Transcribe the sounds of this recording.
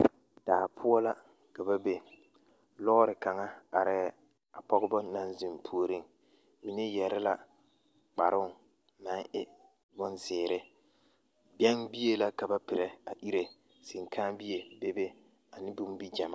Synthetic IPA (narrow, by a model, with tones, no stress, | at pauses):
d̥aː˨pʰʊ˦ɔ˦la˦ | ka˨ba˦be˨ | lɔː˦ɾɪ˨ka˨ŋa˦a˨ɾɪ˨ | a˨pɔ˦ɣʊ˦bɔ˦na˦nzɪ˨mpʰu˨o˨ɾi˦ŋ | mi˨ne˦jɛ˨ɾɪ˦la̰˦˨ | k͡pa˨ɾʊ˦˨ŋ | na˦ŋʔɪ˨ | bʊ˦nzɪː˨ɾɪ˦ | bɛ˦ŋbi˦je˦la˦ka˨ba˦pɪ˨ɾɛ˨a˨ʔi˦ɾe˨ | sɪ˨ŋkʰaː˦bi˦je˨be˦be˦ | a˨nɪ˦bʊ˦m˦bi˦d͡ʒa˨ma˦